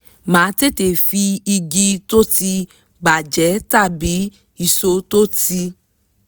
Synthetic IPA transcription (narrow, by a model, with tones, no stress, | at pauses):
mãː˨˦te˦˨te˨fi˧i˧ɡi˧to˦ti˧ | ɡ͡ba˨d͡ʒɛ˨˦ta˦˨bi˨˦ | i˦˨so˧to˦ti˧